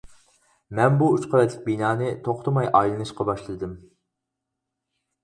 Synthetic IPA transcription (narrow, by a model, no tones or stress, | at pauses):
mɛnbuut͡ʃqʰəɾɛt̪ʰːɪk̚ʲbinɑːnɨt̪ʰoχt̪ɨmɑjʔɑjlˠɨnɨʃqɑbɑʃlˠɨd̪ɨm